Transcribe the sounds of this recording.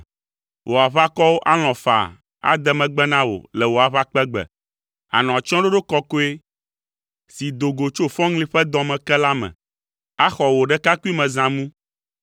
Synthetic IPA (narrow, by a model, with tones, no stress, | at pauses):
wʔo˨a˨βa˦kɔ˦wo˦ʔa˦l̃ɔ̃˨fa̰˨ | a̰˨d̪ɛ˦mɛ̃˨ɡ͡bɛ˦nã˦wo̰˨lɛ˨wo˨a˨βa˦k͡pɛ˦ɡ͡bɛ̰˨ | a̰˨nɔ̃˨a˨t͡ʃɔ̃˦ɖo˦ɖo˦kɔ˦ko˦e˦ | si˨d̪o˨ɡo˨t͡ʃo˦fɔ̃˦ŋlĩ˦ɸɛ˦d̪ɔ̃˨mɛ̃˨kɛ˦la˦mɛ̰̃˨ | a˦xɔ˨wo˨ɖɛ˦ka˦ku˦i˦mɛ̃˨zã˨mũ˦